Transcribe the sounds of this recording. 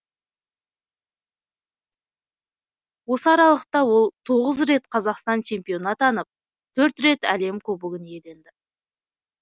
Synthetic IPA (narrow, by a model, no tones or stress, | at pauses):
wo̞səɑɾɑlˠəq̚t̪ɑwo̞lˠt̪ʰo̞ʁəzɾe̞t̪qʰɑzɑqst̪ɑnt͡ʃʰe̞mpijo̞nɑt̪ɑnəp̚ | t̪ʰɵɾt̪ɾe̞t̪æle̞mkʲʰɵbʏɡʲɪnje̞d̪e̞nd̪ɪ